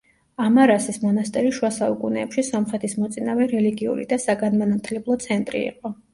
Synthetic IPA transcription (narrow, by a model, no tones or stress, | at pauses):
amaɾasismɔnast̪ʼɛɾiʃuasaukʼunɛːpʃisɔmχɾɛt̪ʰismɔt̪sʼinavɛɾɛliɡiṵɾḭd̪asaɡanmanat̪ʰlɛblˠɔt̪sʰɛnt̪ʼɾḭḭqʼɔ